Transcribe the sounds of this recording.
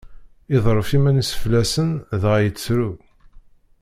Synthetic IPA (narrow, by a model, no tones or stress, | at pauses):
iðˤɾˤəfimænisə̥flæsənðʁjət͡sːɾu